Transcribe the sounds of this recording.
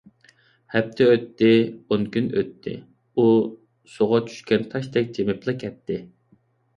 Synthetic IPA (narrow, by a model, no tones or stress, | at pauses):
hɛp̚t̪ʰɪøt̪ːɪonkʲynø̰t̪ʰːɪ̰ | u | soʁɑt͡ʃʰy̥ʃkʲɛnt̪ʰɑʃt̪ɛk̚ʲd͡ʒemɪplˠɨkʲʰɛt̪ʰːɪ